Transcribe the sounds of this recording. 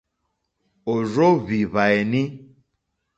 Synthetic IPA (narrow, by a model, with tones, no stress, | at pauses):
o˨ɾo˦βi˨βa˨ɛ˨nĩ˦